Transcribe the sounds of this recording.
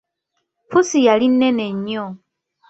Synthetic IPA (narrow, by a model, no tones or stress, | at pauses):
pʰusijalineneɲo